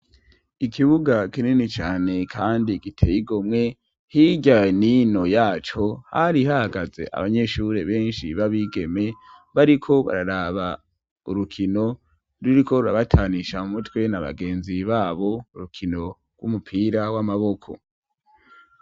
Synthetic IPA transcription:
ikʰiβuɡakininit͡ʃaːne̞kʰaːndikitʰejiɡomŋe̞ | hiɟanino̞jaːt͡ʃo̞haɾihahaɡaze̞̰ʔa̰βaɲe̞ʃuɾe̞βe̞ːnʃḭβaβiɡe̞me̞ | βaɾikʰo̞βa̰ɾaɾaβa | uɾukʰino̞ | ɾuɾikʰo̞ɾuɾaβatʰaːniʃamumutwe̞naβa̰ɡe̞ːnziβaːβo̞uɾukʰino̞ | ɡwumupʰiːɾawamaβo̞kʰo̞̰

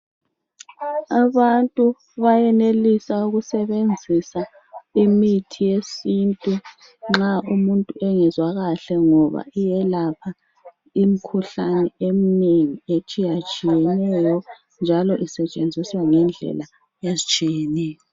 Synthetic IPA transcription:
aβantʼu | βajɛnelisauɣusɛβend͡zʱisa | imitʰijesintʼu | ŋ͡ǁaumuntʼuʔɛŋɛzwaɣaɬɛŋɔβa̰ijɛlapʰa | im̩kʰuɬanɛemineŋiet͡ʃʼijat͡ʃʼijɛnɛjɔ | nd͡ʒʱalɔʔisɛt͡ʃʼend͡zʱiswaŋɛnd͡ɮʱɛ̰la | jezit͡ʃʼijɛnɛːjɔ

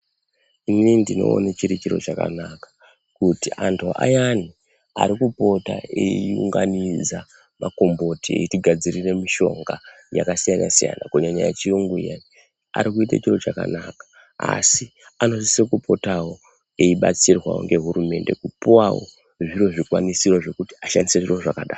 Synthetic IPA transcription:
inindino̞̰ːnet͡ʃiɾit͡ʃiɾo̞t͡ʃaka̰nakḁ | kutiʔantʰuʔa̰jani | a̰ɾikupo̞ta̰eiuŋɡaniza | mako̞mbo̞tieitiɡʱad͡zirire̞miʃo̞̰ŋɡa | ja̰kasijana̰sija̰na̰koɲaɲajat͡ʃiuŋɡujani | a̰ɾikuita̰t͡ʃiro̞t͡ʃaka̰nakḁ | a̰siano̞sisekupʰo̞tawo̞ | eiɓa̰t͡sirwa̰wo̰ŋɡe̞ɦuɾume̞nde̞kupuwawo̰ | ʐiro̞ʐikwanisiro̞ʐe̞kuti̥aʃandiseʐiroʐakaɗaːr

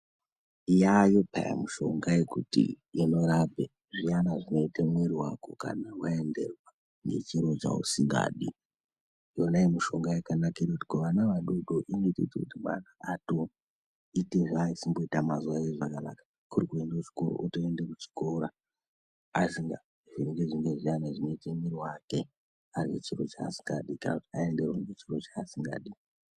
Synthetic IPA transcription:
ijajo̞pa̰ja̰muʃo̞̰ŋɡajekutḭ | ino̞ɾabʱe | ʐianaʐino̞itemweɾiwa̰ko̰ka̰nawae̞nde̞̰rwa | ne̞̰t͡ʃiɾo̞t͡ʃa̰ṵsiŋɡa̰ːɗi | jonaimuʃo̞ŋɡajakanakiɾakuti̥koʋanaʋaɗoɗoʔinoitḛitekutimwa̰naato | iteʐaisimbo̞itamazuwajeʐakana̰kḁ | kuɾikue̞ndaut͡ʃi̥koɾo̰ʔutoendekut͡ʃi̥ko̞ɾa | asiŋɡa | ʐiŋɡeʐiŋɡeʐianaʐinetemiɾiwake̞ | arwḛt͡ʃiɾo̞t͡ʃa̰ːsi̥ŋɡaɗikana̰kutiae̞nde̞rwaŋet͡ʃiro̞t͡ʃaːsiŋɡa̰ːɗi

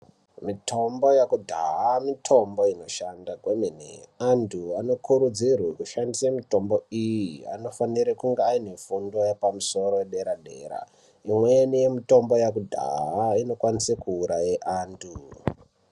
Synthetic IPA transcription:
mitʰo̞mbojakudʱa̰ɦamitʰo̞mbo̞ino̞ʃandakweminḛantʰuano̞kʰuɾud͡zirwekuʃandisamito̞mbo̞ijia̰no̞faniɾekuŋɡeainefundo̞jepamuso̞ɾojeɗe̞ɾaɗe̞̰ɾa̰ | imwenijemito̞mbo̞jakudʱa̰ɦaino̞kwanisekuːɾajeʔaːntʰu

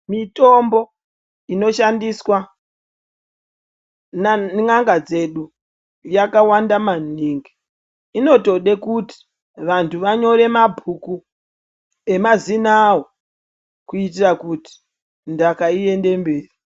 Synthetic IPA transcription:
mito̞mbo | ino̞ʃandiswa | naŋaŋɡad͡ze̞ɗu | jakawandamaniŋɡi | ino̞to̞ɗe̞kuti̥ | ʋantʰuʋaɲo̞ɾe̞mabʱuku | e̞mazinawo | kuitirakuti̥ | ndakaie̞nde̞mbeːri

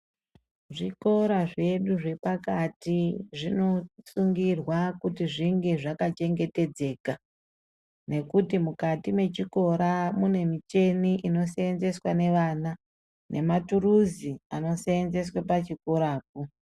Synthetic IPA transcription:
ʐiko̞ɾaʐe̞ɗuʐe̞pakatiʐino̞suŋɡirwakutiʐiŋɡe̞ʐakat͡ʃe̞ŋɡe̞te̞d͡ze̞ːka | ne̞kutimukatimwe̞t͡ʃiko̞ɾamune̞mit͡ʃe̞niʔino̞seenze̞swane̞ʋana | nʔe̞maturuziano̞seenze̞swapat͡ʃiko̞ɾaːk̚u

